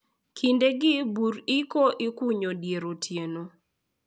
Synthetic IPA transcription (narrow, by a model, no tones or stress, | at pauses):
kʰindeɡɪbuɾikoʔikuɲodjeɾotʰjeno